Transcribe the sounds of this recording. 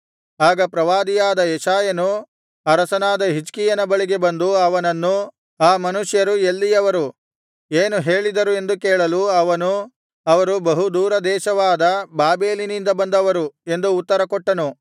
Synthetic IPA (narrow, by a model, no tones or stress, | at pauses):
aːɡɐpɾɐʋaːd̪ijaːd̪ɐjɛʃaːjɐnu | ɐɾɐsɐnaːd̪ɐɦit͡ʃkijɐnɐbɐɭiɡe̞bɐnd̪uɐʋɐnɐnːu | aːmɐnuʂjɐɾuelːijɐʋɐɾu | eːnuɦe̞ːɭid̪ɐɾue̞nd̪ukeːɭɐluɐʋɐnu | ɐʋɐɾubɐɦud̪uːɾɐd̪ɛːʃɐʋaːd̪ɐbaːbe̞ːlinind̪ɐbɐnd̪ɐʋɐɾue̞nd̪uːt̪ːɐɾɐkɔʈːɐnu